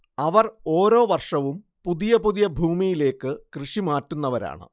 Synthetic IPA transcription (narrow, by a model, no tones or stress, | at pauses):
ɐʋɐro̞ːɾo̞ːʋɐrʂɐʋum | puðijɐpuðijɐbʱuːmijile̞ːkːɨkrɨʂimaːtːunːɐʋɐɾa̰ːɳɨ̰